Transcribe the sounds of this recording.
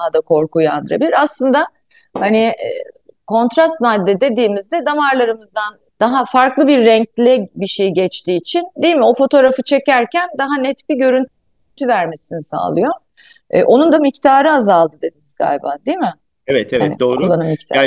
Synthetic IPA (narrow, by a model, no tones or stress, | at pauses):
ad̪akʰo̞ɾkuja̰nd̪ɯɾa̰bilʲiɾaslˠɯnd̪a | hani | kʰo̞nt̪ɾast̪mad̪ːed̪e̞d̪iːmizd̪ɛd̪amaɾlˠaɾɯmɯzd̪an | d̪̥aɦafaɾklˠɯbiɾːɛɲclʲɛbiʃejɟɛt͡ʃt̪ʰiːt͡ʃʰind̪ijimio̞fo̞t̪ʰo̞ɾafɯt͡ʃʰe̞cæɾcʰænd̪aɦanɛt̪biɟø̞ɾyn | t̪ʰyvæɾme̞sinisa̰ːlˠɯjo̞̰ | ʔo̞nund̪amict̪ʰaːɾɯazalˠd̪ɯd̪e̞d̪iniz̥ɡa̰jba̰nd̪ijmɪ | evɛt̪ʰɛvaɛnid̪oːkulˠːanɯmict̪